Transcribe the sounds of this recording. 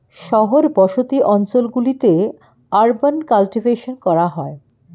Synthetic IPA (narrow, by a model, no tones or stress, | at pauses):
ʃɔɦoɾbɔʃot̪iʔɔnt͡ɕolɡulit̪e | aɾbankalʈibʱeʃonkɔɾaɦɔe